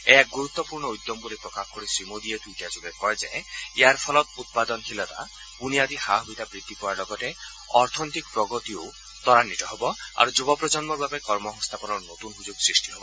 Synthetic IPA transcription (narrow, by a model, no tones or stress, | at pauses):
eaɡuɾut̪ːɔpuɾɳɔujd̪ːjɔmbulipɾɔkakʰkɔɾisɾimod̪iet̪uʈiad͡ʒuɡekɔed͡ʒaeeaɾpʰɔlɔt̪ut̪̚pad̪ɔnkʰilɔt̪a̰ | puniad̪ihaɦijt̪abɾid̪ʱːipɔaɾlɔɡɔʈe | ɔɾt̪ʰɔnit̪ikɔpɾɔɡɔt̪io | t̪ɔɾanːit̪ɔɦɔbɔa̰ɾud͡ʒubɔpɾɔd͡ʒɔnmɔbapɔekɔɾmɔɦɔ̃st̪ʰapɔnɔɾnot̪unɦud͡ʒuɡsɾisʈiɦɔbɔ